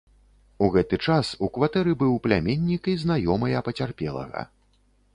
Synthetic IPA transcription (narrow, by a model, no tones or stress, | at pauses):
uɣɛt̪ɨt͡ʂasukvat̪ɛɾɨbɨwplʲamʲenʲːikiznajɔmɐjɐpɐt͡sʲarpʲɛlˠɐ̰ɣɐ̰